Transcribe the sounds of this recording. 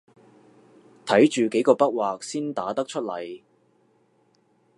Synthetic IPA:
t̪ʰɐ˨˥jt͡ʃyː˨ke˨˥jkɔː˧pɐ˥k̚waː˨k̚siː˥nt̪aː˨˥t̪ɐ˥k̚t͡ʃʰɵ˥t̚lɐ̰˨˩j

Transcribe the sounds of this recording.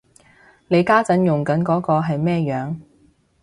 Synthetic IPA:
ne˨˧jkaː˥t͡sɐ˨˥njʊ˨˩ŋkɐ˨˥nkɔː˨˥kɔː˧ɦɐ˨jmɛː˥jœː˨˧ŋ

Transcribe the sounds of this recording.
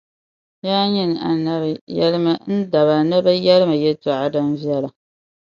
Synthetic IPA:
jaː˦ɲɪ˦n˨a˨na˦bjɛ̰˦lɨ˦ma˦n̩˦da˨βa˨nɨ˦ba˦jɛ˦lɨ˦ma˨jɛ˦tɔ˨ʔa˦dɨ˦nvjɛ˦la˨

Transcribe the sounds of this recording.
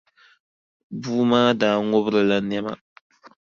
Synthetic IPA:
buː˦maː˦daː˦˨ŋo˦bɾɨ˨la˦n˦ɛ˦ma̰˨

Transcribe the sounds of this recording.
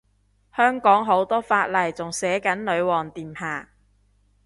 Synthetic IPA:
hœː˥ŋkɔː˨˥ŋɦo˨˥wt̪ɔː˥faː˧t̚lɐ˨˩jt͡sʊ˨ŋsɛː˨˥kɐ˨˥nlɵ˨˧ɥwɔː˨ŋt̪iː˨˩mhaː˨˩

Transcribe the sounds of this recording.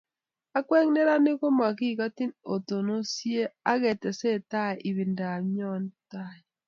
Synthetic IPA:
a˦kwɛ˦ŋne˦ɾa˦ne˦ko˦ma˨ki˦˨ɣa˦ti˦no˨to˨no˦sje˦a˦ɣɛ˨tɛ˨se˦˨ta˦˨ʔi˨βi˨nda˨ɲɔ˦nta˦˨i˨

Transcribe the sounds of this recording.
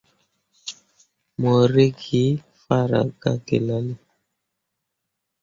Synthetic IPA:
mɔ˨ɾe˦ɡi˨˦ | fa˦ɾa̰˨ɡa˦ɡḛ˨la˦li˦

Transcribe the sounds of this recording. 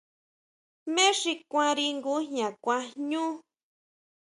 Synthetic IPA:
mẽ˦ʂi˧kʷã˧ɾi˧ŋɡu˦ɲɲã˨kʷã˧ɲũː˦

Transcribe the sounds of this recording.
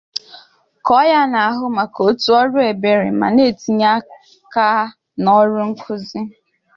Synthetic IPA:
kɔ˦ja˦na˨a˨˦ɦʊ˦ma˨ko˦tu˦ɔ˦ɾʊ˦e˨be˨ɾe˨ma̰˨ne˦˨ti˨ɲa˦ | ka˦ | nɔ˦ɾʊ˦ŋ̩˦kʰʊ˦zi˦

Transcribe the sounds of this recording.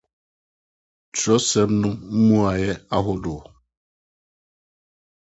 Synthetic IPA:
t͡ʃɔ˦se˨m̩˦nʊ˦m̩˦mu˦a˨jɪ˦a˦ɦʊ˦dʊ˨

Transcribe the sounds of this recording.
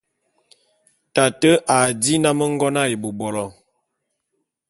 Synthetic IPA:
ta˨tə˦ʔa˨di˦na˦mə˦ŋ˦ɡɔ˦na˦je˨bo˨bɔ˨lɔ˨

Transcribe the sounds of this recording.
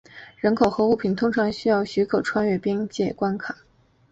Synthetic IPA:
ɻə˧˥nkʰo˨˩ʊxɤ˧˥u˥˩pʰi˨˩nt̪ʰʊ˥ŋʈ͡ʂʰɑ˧˥ŋɕy˥jɑ˥˩ʊɕy˧˥kʰɤ˨˩ʊʈ͡ʂʰwa˥nɥɛ˥˩pi˥ŋt͡ɕjɛ˥˩kwa˥nkʰa˨˩˦

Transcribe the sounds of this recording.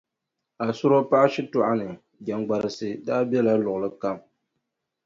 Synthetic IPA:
a˨sʊ˦ɾo˦pa˦ʔa˦ʃɪ˦tʊ˦ʔa˦nɨ˨ | d͡ʒɛ˨ŋɡ͡ba˨ɾɨ˨sɨ˦daː˦bɛ˦la˦lʊ˨ɣʊ˨lɨ˦ka˦˨m

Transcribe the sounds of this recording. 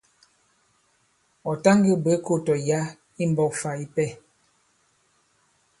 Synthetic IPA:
ɔ˨ta˦ŋɡi˦˨be˨˦ko˦˨tɔ˨ja˦ | i˦m˦bɔ˦˨fa˨i˦pɛ˦˨

